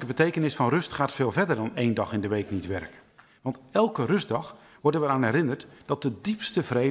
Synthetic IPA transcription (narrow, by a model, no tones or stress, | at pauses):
kəbətejkənɪsfɑnrɵstχaːtfeːlˠvɛɹdərdɑnejndɑχɪndəʋejknitʋɛrk | ʋɑntɛlˠkərʏzdɑχ | ʋɔɹdənʋəɾaːnɛɾɪnərtd̥ɑt̚dədipstəv̥re